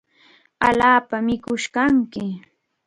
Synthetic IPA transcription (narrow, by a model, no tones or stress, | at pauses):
a̰laːpamɪkʊʃkaŋkɪ